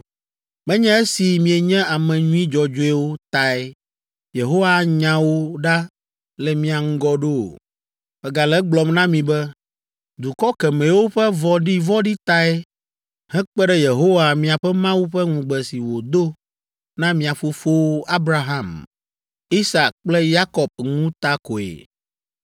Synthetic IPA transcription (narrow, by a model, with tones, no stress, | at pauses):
mɛ̃˦ɲɛ̃˦e˦si˨mĩ˨e˨ɲɛ̃˦a˨mɛ̃˨ɲũ˦ĩ˦d͡ʒɔ˨d͡ʒo˦ɛ˦wo˦t̪a˨ɛ˦ | je˨ɦo˦wa˨ɲã˨wo˦ɖa˦ | lɛ˨mĩ˦a˨ŋ̩˦ɡɔ˦ɖo̰˦˨ | bɛ˨ɡa˨lɛ˦ɡ͡blɔ˨mnã˦mĩ˨bɛ˦ | d̪u˨kɔ˦kɛ˨mɛ̃˨wo˦ɸɛ˦vɔ˨ɖi˦vɔ˦ɖi˦t̪a˦ɛ˦ | hɛ̃˦k͡pɛ˦ɖɛ˦je˨ɦo˦wa˨mĩ˨a˨ɸɛ˦mã˦wu˦ɸɛ˦ŋũ˨ɡ͡bɛ˨si˨wo˨d̪o˦ | nã˦mĩ˨a˨ɸo˦ɸo˦wa˦bɾa˨ɦã˦˨m | i˦sa˨k̚k͡plɛ˦ja˦kɔ˨b̚ŋũ˦t̪a˦ko˨ḛ˨